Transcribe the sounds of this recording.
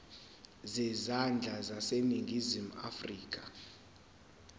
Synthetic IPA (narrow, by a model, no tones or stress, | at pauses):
zɛzand͡ɮʱazaseniŋɡʱizima̰friːk̬ʼa